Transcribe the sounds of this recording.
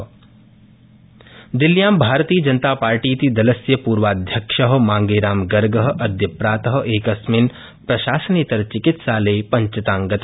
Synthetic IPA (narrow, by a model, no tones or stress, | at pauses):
d̪iljaːmbʱaːɾt̪iːjəd͡ʒɐnt̪aːpaːɾʈiːt̪id̪ɐlɐsjɐpuːɾʋaːd̪ʱjɐkʂɐɦmaːŋɡeːɾaːmɡɐɾɡɐɦʔɐd̪ʱjɐpɾaːt̪ɐɦ̆ʔeːkɐsmɪn | pɾɐʃaːsɐniːt̪ɐɾt͡ʃɪkɪt̪saːleːpɐɲt͡ʃɐt̪ãːŋɡɐt̪